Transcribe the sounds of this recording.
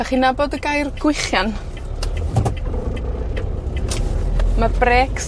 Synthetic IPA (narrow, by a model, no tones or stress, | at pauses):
aχinaboːdəɡajrɡ̥wɪχjan | mabrɛks